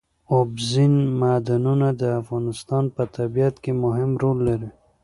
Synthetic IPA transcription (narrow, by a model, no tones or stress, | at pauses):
obzinmad̪anunad̪əafɣɑnɪst̪ɑnpət̪abijat̪kemʊɦɪmɾolːaɾi